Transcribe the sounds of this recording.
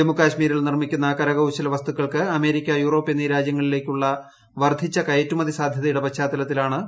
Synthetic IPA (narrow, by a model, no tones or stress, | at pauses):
emukaːɕmiːɾiɭnirmikʲːunːɐkɐɾɐɣɐwɕɐlɐʋɐst̪ukːɐɭkɨɐme̞ːɾikʲːɐjuːro̞ːpːeniːɾaːd͡ʑjɐŋːɐɭile̞ːkʲːuɭːɐ | ʋɐrd̪ʱit͡ɕːɐkɐjɐtːumɐðisaːd̪ʱjɐðɐjuɽepɐɕaːt̪ːɐlɐt̪ːilaːɳɨ